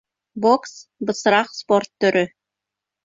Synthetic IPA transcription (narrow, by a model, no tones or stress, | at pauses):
boksbɤ̆sɾɑqsport̪ːɵ̆ɾɵ